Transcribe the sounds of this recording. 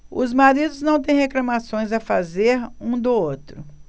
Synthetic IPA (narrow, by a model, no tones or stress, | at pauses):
ʊ̰zmaɾid̪ʊznɐ̃w̃t̪̬ẽj̃ɦeklɐmasõj̃zɐfazeɾũd̪ʊot̪ɾʊ